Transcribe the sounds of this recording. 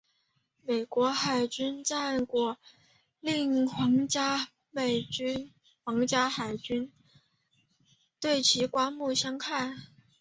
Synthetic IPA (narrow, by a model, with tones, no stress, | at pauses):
me˨˩ɪkwɔ˧˥xa˨˩ɪt͡ɕy˥nt͡sa˥˧nkwɔ˥˩ | li˥˩ŋxwɑ˧˥ŋt͡ɕja˥ | me˨˩ɪt͡ɕy˥n | xwɑ˧˥ŋt͡ɕja˥xa˨˩ɪt͡ɕy˥n | t̪we˥˩ɪt͡ɕʰi˧˥kwa˥mu˥˩ɕjɑ˥ŋkʰa˥˩n